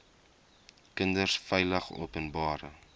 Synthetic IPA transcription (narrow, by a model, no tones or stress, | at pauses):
kəndərsfɛjləχṵːpənbɑːɾə